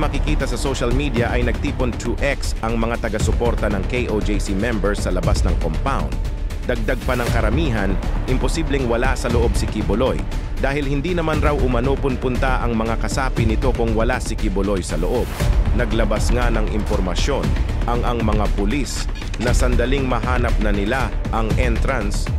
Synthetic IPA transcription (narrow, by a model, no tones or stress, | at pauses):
mɐkɪkiːt̪ɐsɐsoʃɐlmiːd̪iɐʔɐjnɐɡ̚t̪iːpont̪ʰuʔɛksʔɐŋmɐŋat̪ɐɡɐsʊpo̞ɾt̪ɐnɐŋkejʔod͡ʒejsimɛmbɛɹsːɐlɐbasnɐŋkompawnd̪̚ | ɐɡ̚d̪aɡ̚pɐnɐŋkɐɾɐmiːɦɐnʔɪmposiblɛŋwɐlasɐloʔo̞bsɪkɪbʊlo̞jd̪aːhɪlhɪnd̪inɐmanɾawʔʊmɐnopʊnpʊnt̪aʔɐŋmɐŋakɐsaːpɪnɪt̪o̞kʊŋwɐlasɪkɪbʊlo̞jsɐloʔob̚nɐɡlɐbɐsŋanɐŋɪ̰mpoɾmɐʃjo̞nʔɐŋʔɐŋmɐŋapʊlis | nɐsɐnd̪ɐliŋmɐɦaːnɐp̚nɐnɪla | ʔɐŋʔɛnt̪ɾans